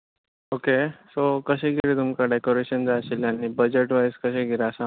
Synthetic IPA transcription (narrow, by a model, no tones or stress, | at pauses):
okesokəɕẽɡʱiɾet̪umkaɖekoɾeɕənd͡zaɕilanibəd͡ʑeʈʋajskəɕẽɡiɾasã